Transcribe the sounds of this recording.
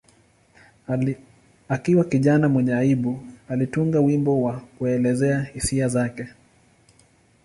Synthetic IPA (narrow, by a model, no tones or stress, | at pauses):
akiwakiʄanamwɛɲɛaiɓualituŋɡawimbɔwakuɛlɛzɛahisiazakɛ